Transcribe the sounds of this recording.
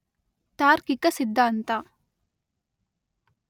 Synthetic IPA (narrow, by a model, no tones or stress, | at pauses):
t̪aːɾkikɐsid̪ʱːaːnt̪a